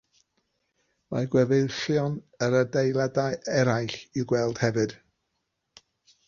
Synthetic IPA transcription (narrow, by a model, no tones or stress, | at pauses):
ma̰ɡwɛveɬjɔn | əɾədejlˠadajɛɾajɬiɡwɛlˠd̥hɛvɨd̥